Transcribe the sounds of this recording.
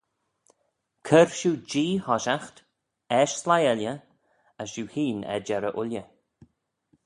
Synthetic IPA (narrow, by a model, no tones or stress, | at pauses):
kʰəɹʃuːd͡ʒiːhɔʃaxt̪ | ɛʃslajɛljə | əsʃuːhiːnɛ̰d͡ʒɛɾəʔʊljə